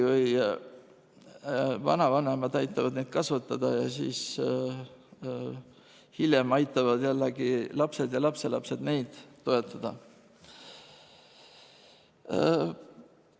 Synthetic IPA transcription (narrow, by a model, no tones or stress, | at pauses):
vɤj | vɑ̰nɑvɑne̞mɑd̪ɑjt̪ːˑɑvɑd̪nejd̪̥̚kɑsvɑt̪ːˑɑd̪̥ɑjɑsḭːs | hiljemɑjt̪ːˑɑvɑd̪̥jælːeɡilɑpse̞d̪̥jɑlɑpse̞lɑ̰pse̞d̪ne̞jd̪̥t̪ːo̞e̞t̪ːˑɑd̪̥ɑ